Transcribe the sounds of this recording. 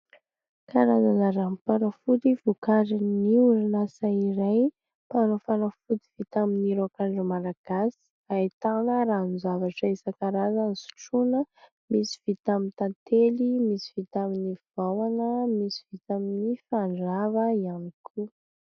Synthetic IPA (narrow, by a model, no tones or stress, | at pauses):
kaɾazanaɾamipanofut̪ivukaɾiniuɾinasaiɾaj | panofanofut̪iv̥it̪aminiɾokaɳɖ͡ʐəmalaɡ̥asi̥ | ait̪anəɾanzavaʈ͡ʂəisakaɾazanisu̥ʈ͡ʂunə | misi̥v̥it̪amint̪ant̪elimisi̥v̥it̪aminiv̥awanəmisi̥v̥it̪aminifaɳɖ͡ʐavəianikʰu